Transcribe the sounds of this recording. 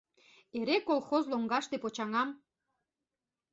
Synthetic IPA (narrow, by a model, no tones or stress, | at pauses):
eɾekolˠxozloŋɡɑʃt̪epot͡ɕɑŋɑm